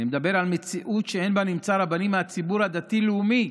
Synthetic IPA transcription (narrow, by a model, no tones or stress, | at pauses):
nimed̪abe̞ʁalme̞t͡siʔut̪ʃeenbanimt͡saɾabanimeat͡sibuɾhad̪at̪ileumi